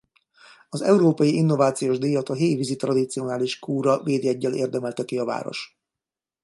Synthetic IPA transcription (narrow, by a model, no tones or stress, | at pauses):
ɒzɛ̰uɾoːpɒjiʔinːo̞vaːt̪sijoːʒd̪iːjɒt̪ɒɦeːjvizit̪rɒd̪it̪sio̞naːliʃkuːɾɒveːd̪jɛɟːɛlḛːrd̪ɛmɛlt̪ɛkiɒva̰ːɾo̞̰ʃ